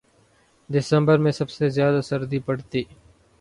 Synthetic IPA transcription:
d̪ɪsə̃mbəɾmẽsɐbsezjaːd̪asɐɾd̪ipɐɽt̪iː

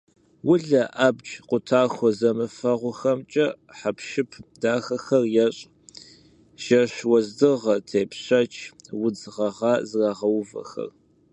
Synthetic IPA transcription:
wʊɮɐʔaːbd͡ʒqʷʊtʰaːxʷɔzɐmɨfɐʁʷʊxɐmt͡ʃʼɐħapʰʃɪpʰdaːxɐxɐrjɛɕʼ | ʒ̥ɐʃwɔzdɨʁɐtʰeːpʰɕɐt͡ʃʰwʊd͡zʁɐʁɑːzraːʁɐwvɐ̰xɐ̰r

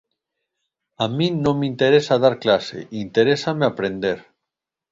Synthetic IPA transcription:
amĩnõmmint̪eɾesað̞aɾklasḛʔint̪eɾesameapɾend̪eɾ

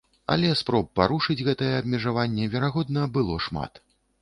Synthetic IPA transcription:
ɐ̰lʲɛspɾɔp̚ːaɾuʂɨd͡zʲɣɛt̪ɐjɛɐbmʲɛʐavanʲːɛvʲɛɾaɣɔd̪nɐbɨlˠɔʂma̰t̪

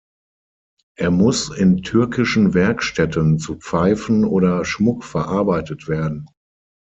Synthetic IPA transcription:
ʔeːɐmʊsɪntʰʏɐkʰɪʃn̩vɛɐkʃtɛtʰənt͡sup͡faɪfn̩ʔoːɾɐʃmʊkfɛɐʔaɐbaɪtətv̥eːɐdn̩

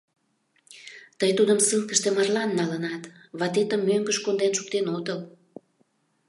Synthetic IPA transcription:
t̪əjt̪ud̪ə̆msɨŋkə̆ʃt̪emɑrlɑnːɑlənɑt̪βɑt̪et̪əmːøŋɡə̆ʃkond̪enʃuk̚t̪enod̪əl

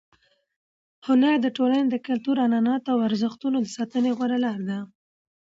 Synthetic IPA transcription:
hʊnaɾd̪əʈolaned̪əkalt̪uɾanɑnɑt̪awaɾzəxt̪unod̪əsɑt̪əneɣwaɾalɑɾd̪a

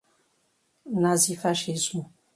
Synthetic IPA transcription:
nazifaʃezu

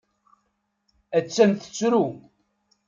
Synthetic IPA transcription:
æt͡sːænt̪ə̥t͡sːɾu

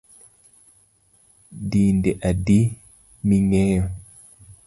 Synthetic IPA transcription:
diːndɛʔadi | miŋɛːjɔ

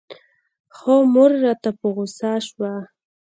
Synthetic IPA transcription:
xomʊɾːɑt̪apəɣʊsɑʃwa

